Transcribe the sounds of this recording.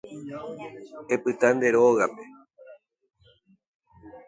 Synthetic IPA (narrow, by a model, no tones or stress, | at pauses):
e̞pɨt̪and̪e̞ɾoɣape̞